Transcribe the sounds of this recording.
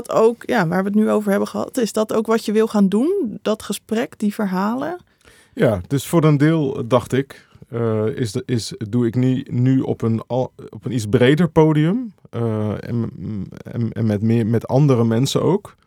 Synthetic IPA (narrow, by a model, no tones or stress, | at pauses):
towkjaːʋaːɹʋəət̬nyowvəɹɦɛbəχəɦɑ̰tɪsdɑtowkʋɑtjəʋɪlˠχaːndund̥ɑtχəsprɛkdivəɹɦaːlə | jaːd̥øsfʊːrəndɪːlˠdɑχtɪk | ɪɪsduɪknynyɔ̰pənɔpənit͡sbrejdəɹpoːdiəm̰ | ɛ̰nmɛtmɪmɛtɑ̰ndəɾəmɛnsə̰no̰wk